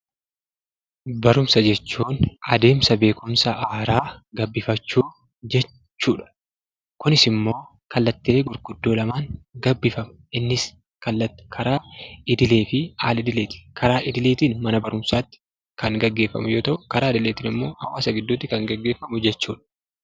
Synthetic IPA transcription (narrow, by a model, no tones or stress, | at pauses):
bɐɾʊmsɐd͡ʒɛt͡ʃːuːnɐd̪e̞ːmsɐbe̞ːkʊmsɐʔaːɾaːɡɐbːɪfɐt͡ʃːuː | d͡ʒɛ | t͡ʃːuːᶑɐ̥ | kʊnɪsɪmːo̞ː | kɐlːɐt̪ːɪle̞ːɡʊɾɡʊd̪ːo̞ːlɐmaːŋɡɐbːɪfɐm | ʔɪnːɪs | kɐlːɐt̪ːkʰɐɾaːɪd̪ɪle̞ːfɪaːlɪd̪ɪleːt̪ɪ̥kʰɐɾaːʔɪd̪ɪle̞ːt̪iːnmɐnɐbɐɾʊmsaːt̪ːɪ̥ | kɐŋɡɐɡːe̞ːfɐ̰mʊjo̞ːt̪ɐʔʊkɐɾaːɪd̪ɪle̞ːt̪ɪːnɪmːo̞ːhɐ̰waːsɐɡɪd̪ːʊt̪ːɪkɐŋɡɐɡːe̞ːfːɐmʊd͡ʒɛt͡ʃːuːᶑɐ̥